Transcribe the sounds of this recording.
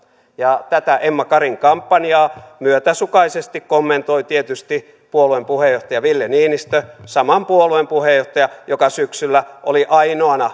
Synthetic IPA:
jɑt̪æt̪æʔemːɑkɑriŋkɑmpːɑnjɑːmyøt̪æsukɑisest̪ikkomːent̪oit̪iet̪yst̪i | puoluempuhejoht̪ɑjɑʋilːeniːnist̪øsɑmɑmpuoluempuhejoht̪ɑjɑjokɑsyksylːæʔoliʔɑinoɑnɑ

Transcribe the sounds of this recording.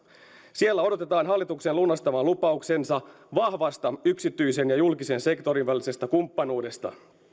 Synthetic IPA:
sielːæo̞do̞t̪e̞t̪ɑːnɦɑlːit̪uksenlunːɑst̪ɑʋɑlupɑukse̞nsɑ | ʋɑhʋɑst̪ɑyksit̪ːˑyjsenjɑjulkise̞nse̞kt̪o̞ɾinʋælise̞st̪ɑkumpːɑnuːde̞st̪ɑ̰

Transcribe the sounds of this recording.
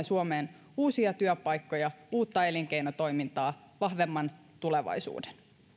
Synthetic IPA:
esuomeːn | uːsiɑt̪yøpɑjkːo̞jɑuːt̪ːɑe̞liŋk̟ejnot̪o̞jmint̪ɑː | ʋɑhʋe̞mːɑn | t̪ule̞ʋɑ̰jsṵːden

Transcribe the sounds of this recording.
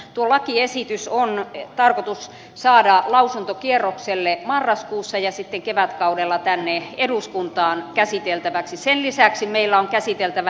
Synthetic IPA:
t̪uolɑkiesit̪ysont̪ɑrkot̪us | sɑːdɑlɑusunt̪okierːokselːemɑrːɑskuːsːɑjɑsit̪ːeŋkeʋæt̪kɑudelːɑt̪ænːeeduskunt̪ɑːnkæsit̪elt̪æʋæksisenlisæksimeilːæoŋkæsit̪elt̪æʋæ

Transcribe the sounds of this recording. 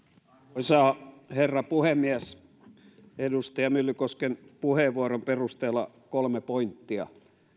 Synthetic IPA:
oisɑːherːɑpuhemmiæs | edust̪ɑjɑmylːykoskenpuheˑʋʋuoromperust̪eːlːɑ | kolmepoint̪ːiɑ̰

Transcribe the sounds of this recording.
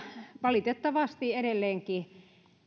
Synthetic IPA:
ʋɑlit̪et̪ːɑʋɑst̪ieɾelːeːŋki

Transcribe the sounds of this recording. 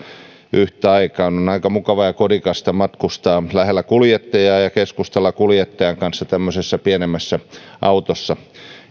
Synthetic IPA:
ʔyht̪æɑikɑːnonɑikɑmukɑʋɑjɑkodikɑst̪ɑmɑt̪kust̪ɑːlæhelːækuljet̪ːɑjɑːjɑkeskust̪ɑlːɑkuljet̪ːɑjɑŋkɑnsːɑt̪æmːøsesːɑpienemːæsːæʔɑut̪osːɑ

